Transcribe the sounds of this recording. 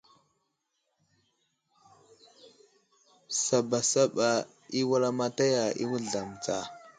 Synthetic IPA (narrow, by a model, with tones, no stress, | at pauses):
sa˨ba˨sa˦ɓa˨ | i˦wa˦ɾa˦ma˦ta˦ja˨ḭ˦wu˦˨a˨m˨t͡sa̰˨